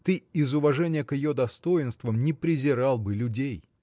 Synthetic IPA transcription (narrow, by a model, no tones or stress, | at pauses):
t̪ɨɪzʊvɐʐɛnʲɪjəkjɪjod̪ɐst̪o̞ɪnst̪vəmnʲɪpɾʲɪzʲɪɾɑlˠbɨlʲʊdʲej